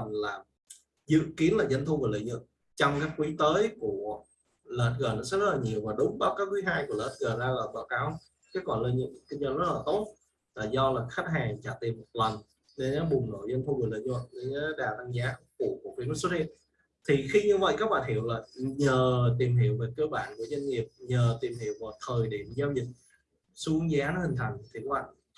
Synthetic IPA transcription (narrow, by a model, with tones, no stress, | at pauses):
nlaː˨˩ | zɨ̰˧˨ki˨˦ənlaː˨˩zə˧nt̪ʰu˧və˨˩lə̰˧˨ɲɨ̰˧˨ŋ̚ | t͡ɕɔ˧wŋ͡mkaː˨˦˥kːwi˨˦t̪əː˨˦jku˧˩ə | ləː˨˩t̚ɣəː˨˩nɔ˨˦sɛ̰˧˦˥zə˦˥t̚laː˨˩ɲi˨˩əwmaː˨˩ɗʊ˨˦ŋ͡mɗɔ˨˦kaː˨˦jkwi˨˦ɦaː˧jku˧˩ələː˨˩t̚ɣəː˨˩zaː˧laː˨˩ɓa̰ː˧˩wkaː˨˧˦w | kɛ˨˦kɔ˧˩nlə˧ɲɨ̰˧˨˩ki˧nzːzə˦˥t̚laː˨˩t̪o˦˥t̚ | laː˨˩zɔ˧laː˨˩xa˦˥k̚ɦaː˨˩ŋt͡ɕaː˧˩t̪i˨˩əmːo˨˩t̚lə˨˩n | ɗe˨˦˨ɓʊ˨˩ŋ͡mno̰˧˨jzə˧nt̪ʰjŋɨ˨˩lə̰ː˧˨˩ɲɨ˧və̰˧˨jɗe˧˨˦ɗaː˨˩la˧ŋzaː˨˦˧kṵ˧˩ku˨˩vi˧˦mə˦˥sə˦˥t̚hḭ˧˨ən | t̪ʰi˨˩xi˧ɲɨ˧və̰˧˨jkaː˦˥k̚ɓa̰ː˧˨nhi˧˨əwlaː˨˩ɲəː˨˩t̪̬i˨˩əmɦḭ˧˨əwve˨˩kəː˧ɓa̰ː˧˨nku˧˩əzə˧nŋi˨˩əp̚ɲəː˨˩t̪i˨˩mhḭ˧˩˨əwmo˨˩t̚t̪ʰəː˨˩jɗḭ˧˩˨əmzaː˧wzï˨˩k̚ | su˧˦ŋzaː˨˦nɔ˨˦hï˨˩ŋ̟t̪ʰa˨˩jŋ̟˩t̪ʰi˨˩kɓa̰ː˧˨